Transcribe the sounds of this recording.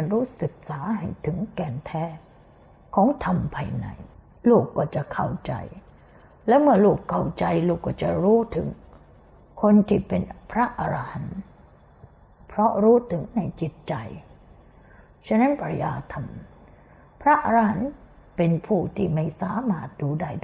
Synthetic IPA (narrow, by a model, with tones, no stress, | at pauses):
nɾuː˦˥sɯ˨˩k̚saː˩˦ɦa˥˩jt̪ʰɯ˩˦ŋkɛː˧˩nt̪ʰɛː˦˥˩ | kʰːɔː˨˦ŋt̪ʰa˧mpʰaː˧jna̰˨˧˩j | luː˨˩kːɔː˧˩t͡ɕa˨˩kʰa˨˩wt͡ɕa̰˧j | lɛː˦˥wmɯ˧˩əluː˨˩kʰːa˧˩wt͡ɕa˧jluː˧˩kːɔː˧˩t͡ɕa˨˩ɾuː˦˥t̪ʰɯ˩˦ŋ | kʰo˧nt̪ʰiː˧˩pe˧npʰɾa˦˥ʔa˧ɾa˧ha˨˩˦n | pʰɾɔ˦˥ɾuː˦˥t̪ʰɯ˩˦ŋna˧jt͡ɕi˨˩t̪̚t͡ɕa˧j | t͡ɕʰa˧˥˩na˦˥npʰɾa˧jaː˧t̪ʰa˧m | pʰɾa˦˥ʔa˧ɾa˧ha˨˩˦n | pe˧npʰuː˧˩t̪ʰiː˧˩ma˥˩jsaː˨˦maː˥˩t̪̚duː˧daː˧˩jd